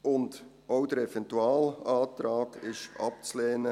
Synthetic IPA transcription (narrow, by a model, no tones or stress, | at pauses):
ʊnd | ʔoʊd̥əɾɛfɛntuaːlaːtɾaːkɪʃʔɑ̰p̚t͡slɛːnə